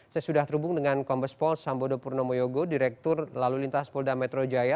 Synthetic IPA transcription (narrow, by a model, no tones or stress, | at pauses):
sajasudaht̪əɾubʊŋdəŋankɔmbəspɔlsambodopurnomojoɡodiɾɛk̚t̪ʊrlalulint̪aspɔldamɛt̪ɾod͡ʒaja